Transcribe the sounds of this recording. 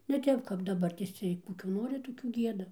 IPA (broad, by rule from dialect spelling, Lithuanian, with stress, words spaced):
nʲɛ ˈtʲɛp kɐp dɐˈbɐrʲtʲeːs ˈt͡sʲiɛj ˈkoːkʲuː ˈnoːrʲɪ ˈtoːkʲuː ˈɡʲiɛdɐ